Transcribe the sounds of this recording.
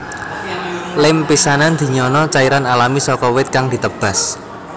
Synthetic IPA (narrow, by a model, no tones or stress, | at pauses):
lɪmpisanand̪̥i̤ɲɔnɔt͡ʃaiɾanalamisɔkɔwɪt̪̚kaŋd̪̥i̤t̪əb̥a̤s